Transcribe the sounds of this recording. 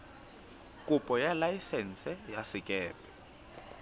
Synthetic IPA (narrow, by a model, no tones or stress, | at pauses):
kʼupʼɔjalajisɛnsɛjasikʼɛːpɛ̥